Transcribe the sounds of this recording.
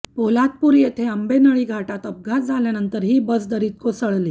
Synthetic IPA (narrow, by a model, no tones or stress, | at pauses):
polat̪̚puɾjet̪ʰeəmbenəɭiːɡʱaʈat̪əb̚ɡʱasd͡zʱaljanənt̪əɾɦiːbəsd̪əɾiːt̪̚kosəɭliː